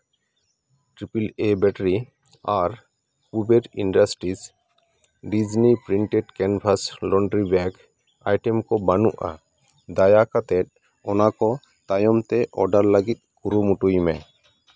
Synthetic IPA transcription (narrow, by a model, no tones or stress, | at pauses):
ʈɾipilebɛʈəɾi | aɾ | pubeɾinɖasʈɾis | ɖid͡ʒnipɾiɳʈɛɖkɛnpʰaslɔɳɖɾibaɡ | ajʈɛmkɔbanuʔa̰ | d̪ajakat̪ɛt̪̚ | ɔnakɔ | t̪ajɔmt̪ɛʔɔɖaɾləɡit̪̚kuɾumuʈujmɛ